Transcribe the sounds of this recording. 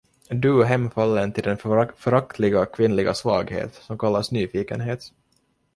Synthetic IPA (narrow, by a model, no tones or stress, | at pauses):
d̪ʉɦɛmːfalːənt̪ʰɪld̪ɛnfœɾak̚t̪ʰlɪɡakʰvɪnlɪɡasvɑːɡhḛːt̪sɔmkʰalːasnyːfiːkə̰nɦeːt̪